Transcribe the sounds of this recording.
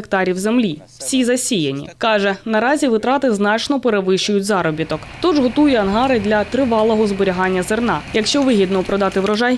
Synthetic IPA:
ek̚t̪ɑɾʲiwzemlʲi | w̥sʲizɐsʲijɐnʲḭkɑʒɛnɐɾɑzʲiʋɪt̪ɾɑt̪ɪznɑt͡ʃnɔpeɾeʋɪʃʊjʊtʲzɑɾɔbʲit̪ɔkt̪uʒɦɔt̪ujɛɐnɦɑɾɪd̪lʲɐt̪ɾɪʋɑlˠɔɦɔzbɔɾʲiɦɑnʲːɐzernɑjɐkʃt͡ʃɔʋɪɦʲid̪nɔpɾʔɔd̪ɑt̪ɪʋɾɔʒɑj

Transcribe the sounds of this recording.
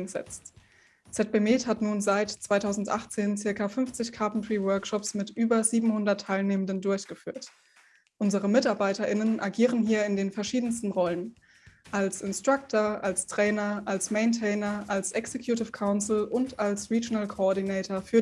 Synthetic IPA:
ŋzɛ̰t͡st | t͡sɛt̚b̥emeːthatnuːnzaɪtt͡sv̥aɪtʰaʊzn̩tʔa̰χt͡seːnt͡sɪɐkafʏnft͡sɪçkʰaɐpntʁivœɐkʃɔpsmɪtʔyːbɐziːbm̩hʊndɐtʰːaɪlneːməndəndʊɐçɡ̥əfy̰ːɐt | ʔʊnzəʁəmɪtaɐbaɪtɐʔɪnənʔaɡiːʁənɦiːɐɪndeːnfɛɐʃiːdn̩stn̩ʁɔlən | ʔalsɪnstʁ̥ak̚tʰɐʔalstʁ̥ɛːnɐʔalsmeɪntʰɛːnɐʔalsʔɛksekʰjutɪfkʰaʊnsl̩ʊntalsʁiːd͡ʒɪnalkʰoɔɐdinɛːtʰɐfyːɐ

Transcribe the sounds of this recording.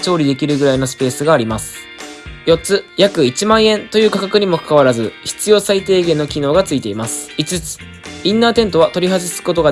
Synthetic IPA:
t͡ɕo̞ːɾʲid̪e̞kʲiɾɯ̟ɡɯɾaino̞sɨ̥pe̞ːsɨɡaːɾʲimasɨ̥ | jo̞t͡sɨjakɯ̟it͡ɕimãɰ̃ẽ̞nt̪o̞jɯ̟ːkakakɯ̟ɲ̟imo̞kḁkaβaɾazɨçi̥t͡sɨjo̞ːsait̪e̞ːɡẽ̞nːokʲino̞ːɡat͡sɨit̪e̞imasɨ̥it͡sɨt͡sɨ̥ | ĩnːaːt̪ẽ̞nt̪o̞βat̪o̞ɾʲiɦazisɨ̥ko̞t̪o̞ɡa

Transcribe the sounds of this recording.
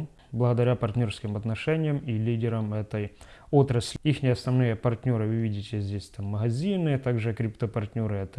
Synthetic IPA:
blˠəɣəd̪ɐɾʲapɐrtʲnʲo̞rskʲɪmɐt̪nɐʂɛnʲɪjəmilʲidʲɪɾəmɛt̪əjot̪ɾəsʲlʲixnʲɪɐsnɐvnɨjəpɐrtʲnʲo̞ɾɨvɨvʲidʲɪtʲɪzʲdʲesʲt̪amːəɣɐzʲinɨt̪aɡʐɨkɾʲɪpt̪əpɐrtʲnʲoɾɨɛt̪ə

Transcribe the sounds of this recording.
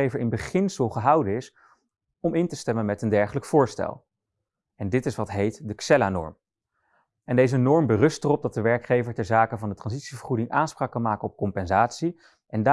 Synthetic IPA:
ejvəɹɪnbəχɪnsəlˠχəɦɑwdənɪs | ɔmɪntəstɛmənmɛtəndɛɹχələkfʊːɹstɛ̰lˠ | ɛndɪtɪsʋɑtɦejtdəksɛlanɔ̰ɹm | ɛndejzənɔɹmbərɵstərɔb̚dɑt̚dəʋɛɹkχejvəɹtɛɹzaːkəvɑndətrɑnzitsivəɹχudɪŋʔaːnspraːkːɑnmaːkənɔp̚kɔmpɛnzaːtsi | ʔɛnda

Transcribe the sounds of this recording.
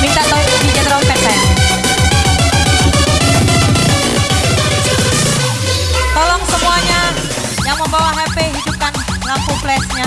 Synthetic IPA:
mint̪aʔt̪ɔ | did͡ʒɛnɾɔmpɛnsan | t̪ɔlɔŋsəmuaɲa | jaŋməmbawaɦɛpeɦidup̚kan | lampuŋplɛsɲa

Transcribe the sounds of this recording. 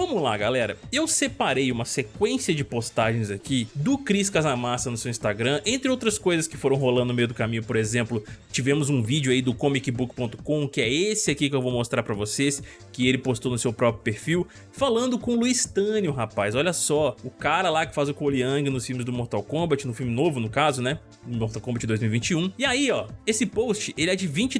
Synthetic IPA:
vɐ̃mʊlaɡalɛɾɐewsepaɾejũmɐsekwẽsiɐd͡ʒɪpost̪aʒẽj̃zakid̪ʊkɾiskazamasɐnʊsewĩst̪aɡɾɐ̃ʔẽnt̪ɾɪowt̪ɾɐskojzɐskɪ̥foɾɐ̃w̃ɦolɐ̃d̪ʊnʊmejʊd̪ʊkamĩɲʊpoɾezẽmplʊt͡ʃivẽmʊzũvid͡ʒʊaid̪ʊkõmikɪbukpõt̪ʊ̥kõkɪɛesɪakikɪewvowmost̪ɾaɾpɾɐvoses | kɪelɪpost̪ownʊsewpɾɔpɾjʊpeɾfiw | falɐ̃nd̪ʊkõluist̪ɐ̃njʊɦapajzɔʎɐsɔʊkaɾɐlakɪ̥fazʊkoliɐ̃ɡɪnʊsfimɪzd̪ʊmoɾt̪awkõmbɐt͡ʃɪnʊfimɪnovʊnʊkazʊnɛ | d̪ʊmoɾt̪awkõmbɐt͡ʃɪd̪ojzmiwivĩnt͡ʃɪũiaiɔesɪpost͡ʃɪʔelɪɛd͡ʒɪvĩt͡ʃɪ

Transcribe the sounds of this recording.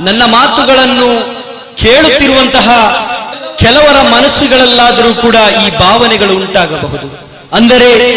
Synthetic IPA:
nɐnːɐmaːt̪uɡɐɭɐnːu | keːɭut̪ːiɾuʋɐnt̪ɐɦɐ | kɛlɐʋɐɾɐmɐnɐsːiɡɐɭɛlːaːd̪ɐɾuːkuːɽɐiːbʱaːʋɐnɛɡɐɭuːɳʈaːɡɐbɐɦud̪u | ɐnd̪ɐɾe̞

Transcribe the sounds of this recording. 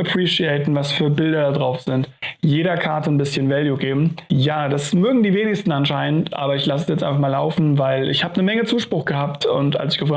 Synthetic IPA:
apʰʁ̥iːʃiɛɪtn̩vasfyːɐbɪldɐdadʁaʊfz̥ɪntjeːɾɐkʰaɐtənbɪsçənvɛljuɡeːbm̩jaːd̥asmøːɡŋ̩diːveːnɪçstn̩anʃaɪnəntʔa̰ːbɐɪçlasəsjɛt͡sʔaɪnfaχmaːla̰ʊfn̩vaɪlɪ̰çhaːbənəmɛŋət͡suːʃpʁ̥ʊxɡ̥əhaːp̚tʊ̰ntʔa̰lsɪ̥çɡ̥əfɔ

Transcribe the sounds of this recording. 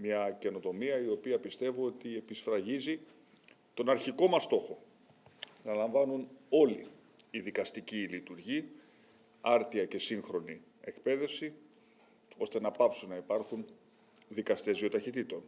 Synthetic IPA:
mɲɐce̞no̞t̪o̞miɐio̞piɐpist̪e̞vuo̞t̪ie̞pisfɾɐʝizi | t̪o̞nɐɾçiko̞mɐst̪o̞xo̞ | nɐlɐɱvɐnuno̞lḭː | ðikɐst̪icilit̪uɾʝi | ɐɾt̪iɐce̞siŋxɾo̞ni | e̞kpe̞ðe̞fsi | o̞st̪e̞nɐpɐpsunːɐipɐɾxun | ðikɐst̪e̞zio̞t̪ɐçit̪it̪o̞n

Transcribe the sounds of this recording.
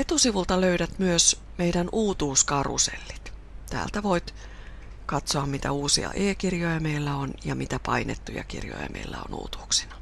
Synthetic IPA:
et̪usiʋult̪ɑløyɾæt̪myøs | meidænuːt̪uːskɑrṵsḛlːi̥t̪t̪æ̰ːlt̪æʋoit̪ | kɑt̪soɑmmit̪æuːsḭɑ̰ʔeːkirjojɑmeilːæonjɑmit̪æpɑinḛt̪ːujɑ̰kḭrjo̰jɑ̰mʔḛilːæ̰o̰nṵːt̪u̥ːksi̥nɑ̥

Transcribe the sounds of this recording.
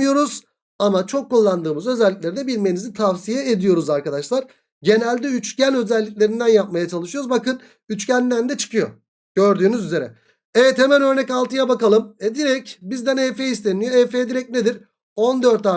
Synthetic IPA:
jo̞ɾuz̥ | amat͡ʃʰokʰːulˠːand̪ɯːmɯzø̞zɛlʲːic̚lʲe̞ɾid̪ɛbilʲmenizit̪ʰavsijɛed̪ijo̞ɾuzaɾkad̪aʃlˠaɾ̥ | ɟe̞nælʲd̪ɛyt͡ʃcænʲø̞zɛlʲːicʲlʲe̞ɾind̪ænjap̚majat͡ʃʰalˠɯʃɯjoɾuzbakɯn | yt͡ʃcænd̪ænd̪ɛt͡ʃʰɯ̥kɯjo̞̰ | ɟ̥ø̞ɾd̪yːnyzyze̞ɾɛ̰ | evɛt̪hemænø̞ɾnɛcalˠt̪ʰɯjabakalˠɯmɛd̪iɾɛcbizd̪ænɛfeist̪ʰenijoɛfeːd̪iɾɛc̚ned̪iɾ | o̞nd̪ø̞ɾt̪aː

